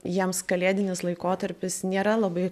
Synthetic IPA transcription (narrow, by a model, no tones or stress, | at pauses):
jiɛmskɐlʲeːd̪ʲɪnʲɪslˠɐɪkoːt̪ɐɾʲpʲɪsnʲeːɾɐlˠɐbɐɪ